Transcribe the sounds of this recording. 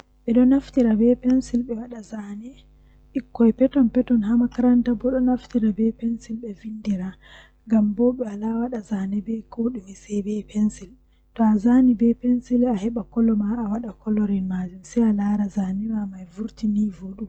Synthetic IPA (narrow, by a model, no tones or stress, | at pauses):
ɓɛɗɔnaftiɾabɛpɛnsilɓɛwaɗazanɛ | ʔikːɔjpɛtɔnpɛtɔnɦamakaɾantabɔɗɔnaftiɾabɛpɛnsilɓɛvindiɾa | ŋɡambɔɓɛalawaɗazanɛbɛkoɗumɛsɛjbɛpʰɛnsil | tɔazanibɛpɛnsilahɛɓakɔlːɔmaːwaɗakɔlɔɾinmad͡ʒumsɛjalaɾazanɛmamajvuɾtinivoɗu